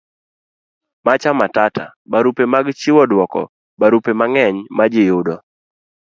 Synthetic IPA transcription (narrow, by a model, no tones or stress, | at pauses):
mat͡ʃamatatʰa̰baɾupemaɡt͡ʃɪwɔdwɔkɔ̰ | baɾupemaŋɛɲmad͡ʒɪjʊdɔ